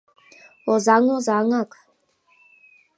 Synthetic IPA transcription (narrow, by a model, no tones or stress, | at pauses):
ozaŋozaŋak